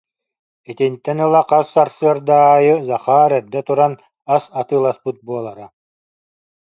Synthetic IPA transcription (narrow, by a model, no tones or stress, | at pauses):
it̪int̪ːɛnɯlˠaqasːaɾsɯɐɾd̪aːjɯzaχaːɾɛɾd̪ɛt̪uɾan | asat̪ɯːlˠaspɯt̪̚buɔlˠaɾa